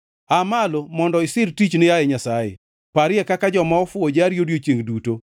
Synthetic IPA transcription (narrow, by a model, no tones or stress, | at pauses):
amalomɔndɔɪsɪrtit͡ʃnɪjajɛɲasajḛ | paɾɪɛkakad͡ʒɔmaɔfʊod͡ʒaɾjodjot͡ʃeŋɡduto